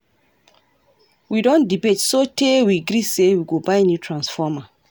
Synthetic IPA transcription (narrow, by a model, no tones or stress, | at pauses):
widɔ̃ndibetsotʰewiaɡɾisewiɡobajnjutʰɹãnsfɔma